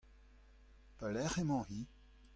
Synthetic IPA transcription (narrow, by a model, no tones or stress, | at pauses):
palɛʁemɑ̃ʁi